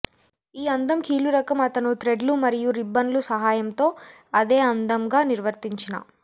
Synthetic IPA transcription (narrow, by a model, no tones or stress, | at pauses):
iːɐnd̪ɐmkiːluɾɐkɐmɐt̪ɐnut̪ɾe̞ɖlumɐɾijuɾibːɐnlusɐɦaːjɐmt̪o̞ː | ɐd̪e̞ːɐnd̪ɐmɡaːniɾʋɐɾt̪iɲt͡ʃinɐ̰